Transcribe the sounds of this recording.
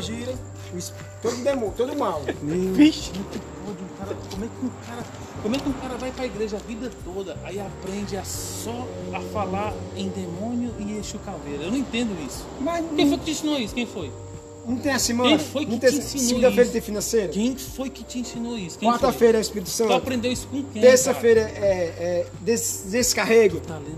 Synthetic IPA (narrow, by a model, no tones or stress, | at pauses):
ʒiɾɐ | isp | t̪od̪ʊd̪emõt̪od̪ʊmawniviʃnũk̪ipɔd͡ʒũkaɾɐkõmʊɛkɪʊkaɾɐ | kõmwɛkɪũkaɾɐvajpɾɐiɡɾeʒɐavid̪ɐt̪od̪ɐʔaiapɾẽnd͡ʒɪassɔɐfalaɾẽj̃d̪emõniʊɪẽʃukaveɾɐewnɐ̃w̃ẽt̪ẽnd̪ʊisʊ̥mazẽojkɪt͡ʃɪĩsĩnoisʊ̥kẽj̃foj | nũt̪ẽj̃ɐsemɐ̃ẽfojnũt̪ẽj̃sisiɡũd̪ɐfejɾɐt̪ẽfinɐ̃sejɾʊkẽj̃fojkɪt͡ʃɪĩsĩnoisʊ̥kẽkw̃aɾt̪ɐfejɾɐaispiɾit̪ʊ̥sɐ̃aʊpɾẽnd̪ewisʊ̥kõkẽt̪eɾsɐfejɾɐɛɛd̪esd̪esɪ̥kaɦeɡʊt̪alẽ